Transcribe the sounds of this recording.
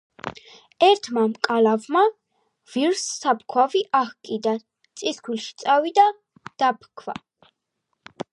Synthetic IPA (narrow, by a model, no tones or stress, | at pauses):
ɛɾt̪ʰmamkʼalavma | viɾsːap̚ʰkʰwaviʔahkʼid̪an | t̪sʼiskʰwilʃi̥t̪sʼavid̪a | d̪̥apʰkʰva̰